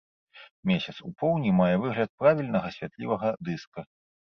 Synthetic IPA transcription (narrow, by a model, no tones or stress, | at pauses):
mʲesʲɐt̪supɔwnʲimajɛvɨɣlʲɐt̪̚pɾavʲilʲnɐɣɐsʲvʲat̪lʲivɐɣɐd̪ɨskɐ